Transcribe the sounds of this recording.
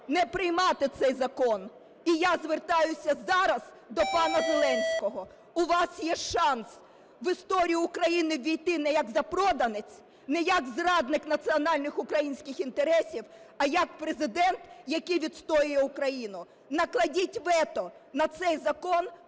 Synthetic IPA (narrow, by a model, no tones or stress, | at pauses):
nɛpɾɪjmɑt̪ɪt̪sɛjzɐkɔn | ijazʋert̪ɑjʊsʲɐzɑɾɐz | d̪ɔpɑnɐzelˠɛnʲsʲkɔɦɔ | ʊʋɑsjɛʃɑns | ʋɪst̪ɔɾʲijʊʊkɾɐjinɪʋʲijt̪ɪnɛjɐkzɐpɾɔd̪ɐnɪt͡sʲ | nɛjɐkzrɑd̪nɪknɐt̪sɨɔnɑlʲnɪxʊkɾɐjinʲsʲkɪxint̪eɾɛsʲiwɐjɐk̚pɾezɪd̪ɛnt̪jɐkɪjʋʲid̪st̪ɔjʊjɛʊkɾɐjinʊ | nɐklˠɐdʲitʲʋɛt̪ɔnɐt̪sɛjzɐkɔn